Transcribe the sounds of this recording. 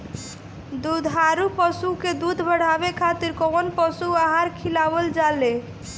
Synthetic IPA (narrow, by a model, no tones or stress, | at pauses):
d̪ud̪ʱɦaɾupɔsuked̪ud̪ʱbʱəɽ̤abekʰat̪iɾkɔmonpɔsuaɦaɾkʰilabold͡ʒale